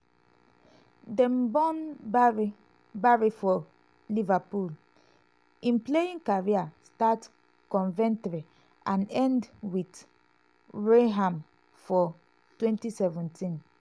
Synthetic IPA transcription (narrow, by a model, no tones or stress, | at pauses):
dɛ̃mbɔ̃nbɹ | baɹifɔ | livapul | ĩnplejĩŋkaɹiastat | kɔ̃nvɛ̃ntɹi | ãnɛ̃ndwit | ɹeɦãm | fɔ | twɛ̃ntisɛvɛ̃ntĩn